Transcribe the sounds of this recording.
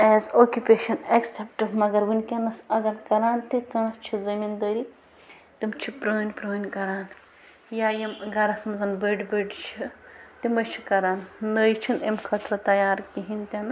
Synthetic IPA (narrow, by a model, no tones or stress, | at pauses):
eːzoːkʲjupeːʃɐnɐksepʈɨbmɐɡɐɾʋunʲkʲɐnɐsɐɡɐɾkɐɾaːnt̪ikãːst͡ʃʰizɐmind̪əɾi | t̪imt͡ʃʰipɾoːnʲpɾoːnʲkɐɾaːn | jajɐmɡɐɾɐsmɐzɐnbəɖbəɖt͡ʃʰit̪imɐt͡ʃʰikɐɾaːnnɐjt͡ʃʰinemkʰɐt̪ɾɐt̪ɐjaːɾkiɦinʲt̪ʲenɐ